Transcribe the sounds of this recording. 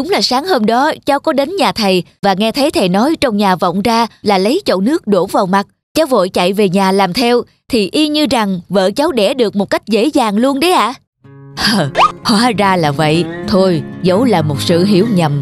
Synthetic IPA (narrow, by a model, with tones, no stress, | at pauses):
ɗʊ˨˦ŋ͡mlaː˨˩saː˨˦ŋhəː˧mɗɔ˨˦t͡ɕa˨˦wkɔ˨˦ɗe˨˦nɲaː˨˩t̪ʰə˨˩jvaː˨˩ŋɛ˧t̪ʰə˨˦jt̪ʰə˨˩jnɔ˨˦jt͡ɕɔ˧wŋ͡mɲaː˨˩vɔ̰˧˨wŋ͡mzaː˧laː˨˩lə˨˦jt͡ɕo̰˧˨nɨ˦˥ək̚ɗo˧˩vaː˨˩wma˨˩t̚ | t͡ɕaː˨˦wvo̰˧˨jt͡ɕa̰˧˨jve˨˩ɲaː˨˩laː˨˩mt̪ʰɛ˧w | t̪ʰi˨˩ʔi˧ɲɨ˧za˨˩ŋvə̰ː˧˨t͡ɕa˨˦wɗɛ˧˩ɗɨ˨˩ək̚mo˨˩t̚ka˦˥jk̟̚zḛ˧˥zaː˨˩ŋlu˧ənɗə˨˦jʔa̰ː˧˨ | ʔə˨˩hwaː˨˦zaː˧laː˨˩və̰˧˨jt̪ʰo˧jzə˨˦wlaː˨˩mo˨˩t̚sɨ̰˧˨ɦḭ˧˩əwɲə˨˩m